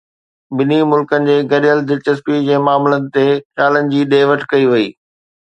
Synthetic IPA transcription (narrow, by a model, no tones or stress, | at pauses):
bɪnimʊlkənɪ̆d͡ʑeːɡɐɾijəld̪ɪɾt͡ɕɐspid͡ʑeːmaːmlənɪ̆t̪exjaːlənɪ̆d͡ʑiːɗeːʋəʈkɐiʋɐiː